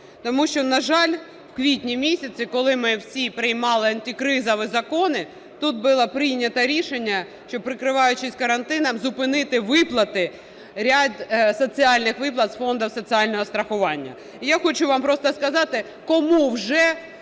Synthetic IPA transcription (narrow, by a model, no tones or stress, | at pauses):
t̪ɔmuʃt͡ʃɔnɐʒɑlʲ | wkʋʲitʲnʲimʲisʲɐt͡sʲikɔlˠɪmɪwsʲipɾɪjmɑlˠɪɐnʲtʲikɾɪzɔʋɪzɐkɔnɪ | t̪ut̪̚bɪlˠɐpɾɪjnʲːɐt̪ɐɾʲiʃenʲːɐ | ʃt͡ʃɔpɾɪkɾɪʋɑjʊt͡ʃɪsʲkɐɾɐnt̪ɪnɐmzʊpɪnɪt̪ɪʋɪplˠɐt̪ɪ | ɾʲad̪sɔt͡sʲiɑlʲnɪxʋɪplˠɐt̪sfɔnd̪ɐwsɔt͡sʲiɑlʲnɔɦɔst̪ɾɐxʊʋɑnʲːɐ̰ | jaxɔt͡ʃʊʋɑmpɾɔst̪ɐskɐzɑt̪ɪ | kɔmuwʒɛ